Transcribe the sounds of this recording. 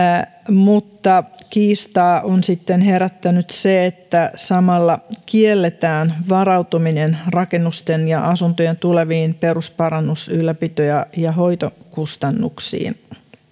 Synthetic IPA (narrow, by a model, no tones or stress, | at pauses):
mut̪ːɑkiːst̪ɑːʔonsit̪ːenheɾæt̪ːænyt̪seet̪ːæsɑmɑlːɑkielːet̪æːnʋɑrɑwt̪ominenrɑkenːust̪enjɑʔɑsunt̪ojent̪uleʋiːnperuspɑɾɑnːusylːæpit̪ojæjɑɦoit̪okust̪ɑnːṵksḭːn